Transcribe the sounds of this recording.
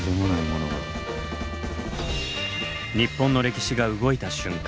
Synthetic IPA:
d̪emonaimonoɡa̰ | ɲ̟ipːõ̞nːo̞ɾe̞kʲi̥ɕiɡaɯ̟ɡo̞it̪aɕɨ̃ŋk

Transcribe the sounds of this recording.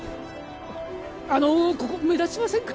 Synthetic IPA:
anokokome̞d̪asimasẽ̞ŋkʰ

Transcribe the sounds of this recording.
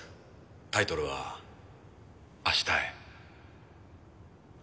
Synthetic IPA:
t̪ait̪o̞ɾɯ̟βa̰ | aɕi̥t̪ae

